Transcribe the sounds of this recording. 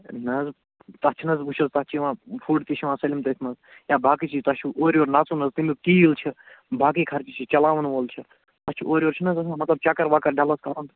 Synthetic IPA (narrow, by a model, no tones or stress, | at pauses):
nɐz | t̪ɐt͡ʃʰinɐzbuʃʰɐzt̪ɐt͡ʃʰiʋãːfʰuːɖt̪it͡ʃʰiʋãːsɐlimt̪ɐt̪ʰmɐz | jaːbʱaːkit͡ʃʰit̪ɐt͡ʃʰuʔoːɾʲoːɾnaːt͡sunɐzt̪imikiːʋilt͡ʃʰi | bʱaːk̬ikʰɐɾt͡ʃit͡ʃʰit͡ʃɐlaːʋɐnʋoːlt͡ʃʰi | t̪ɐt͡ʃʰḭʔoːɾioːɾt͡ʃʰinɐzɐsãmɐt̪lɐb̚t͡ʃaːkɐɾʋaːkɐɾɖalɐskaːɾɐnt̪